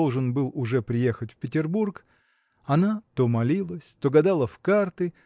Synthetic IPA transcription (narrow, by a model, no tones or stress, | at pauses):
lˠʐɨnbɨlˠʊʐɛpɾʲɪje̞xətʲfpʲɪtʲɪrburk | ɐnat̪o̞mɐlʲilˠəsʲt̪oɡɐd̪alˠəfkart̪ɨ